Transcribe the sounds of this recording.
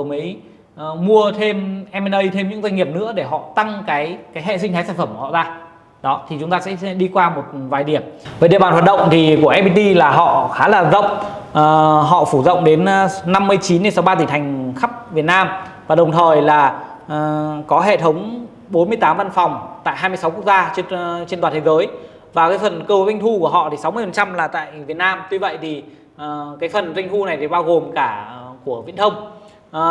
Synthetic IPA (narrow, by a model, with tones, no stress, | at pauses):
mə˨˦j | mu˧ət̪ʰe˧mʔɛ˧mɛ˧nʔə˧jt̪ʰe˧mɲɨ̰˧˥ŋza˧jŋŋi˨˩əp̚nɨ̰˧˥əɗe˧˩ɦɔ̰˧˨t̪a˧ŋkaː˨˦jkaː˨˦jɦḛ˧˨si˧ŋ̟tʰaː˨˦saː˧˩nfə˧˩mkɔ̰˧˨zaː˧ | ɗɔ˨˦t̪ʰi˨˩t͡ɕʊ˨˦ŋ͡mt̪aː˧ɛ̰˧˥ɗi˧kwaː˧mo˨˩t̚vaː˨˩jɗi˧˩əmveː˨˦ɗḭ˧˨əɓaː˨˩nwa˨˩t̚ɗə̰˧˨wŋ͡mt̪ʰi˨˩ku˧˩əʔɛ˦˥p̚i˧t̪i˧laː˨˩ɦɔ̰˧˨xaː˨˦laː˨˩zə̰˧˨wŋ͡m̚ | ɦɔ̰˧˨fu˧˩zə̰˧˨wŋ͡mɗe˨˦nːa˧mːɨ˧əjt͡ɕi˨˦nːe˧nsa˨˦wɓaː˧t̪i˧˩t̪ʰa˨˩jŋ̟xa˦˥p̚vi˨˩ət̚naː˧m | vaː˨˩ɗə˨˩wŋ͡mt̪ʰəː˨˩jlaː˨˩˨ | kɔ˨˦ɦḛ˧˨t̪ʰə˨˦wŋ͡m | ɓo˨˦nmɨ˧əjt̪aː˨˦mva˧nfa˨˩wŋ͡mt̪a̰ː˧˨jɦaː˧mɨ˧əsa˨˦wku˦˥k̚zaː˧t͡ɕt͡ɕe˧nt̪waː˨˩t̪e˨˦zəː˨˦j | vaː˨˩kaː˨˦jfə˨˩nkɨ˧˩˨za˧jŋt̪ʰu˧ku˧˩əɦɔ̰˧˨t̪i˨˩sa˨˦wmɨ˧əfə˨˩n˩t͡ɕa˧mlaː˨˩t̪a̰ː˧˨jvi˨˩ət̚naː˧mt̪wi˧və̰˧˨jt̪ʰi˨˩˨ | kaː˨˦jfə˨˩nza˧ŋt̪ʰu˧na˨˩jt̪e˨˩ɓaː˧wɣo˨˩mkaː˧˩ku˧˩əvḭ˧˨nʰə˧wŋ͡m